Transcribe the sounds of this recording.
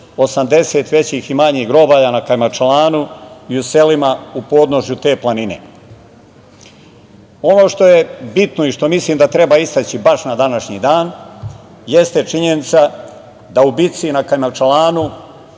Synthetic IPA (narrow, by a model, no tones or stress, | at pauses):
o̞samd̪e̞se̞t̪ʋe̞t͡ɕiximaɲiːɣɡɾo̞baːjanakajmat͡ʃalˠaːnuiuse̞limaupo̞ːd̪no̞ʃjut̪e̞ːplanine̞̰ | o̞no̞ːʃt̪o̞je̞bit̪no̞iʃt̪o̞misliːmd̪at̪ɾe̞baist̪at͡ɕibaʃnad̪anaʃɲiːd̪aːn | je̞st̪e̞t͡ʃiɲe̞nit̪sa | d̪aubit̪sinakajmat͡ʃalaːnu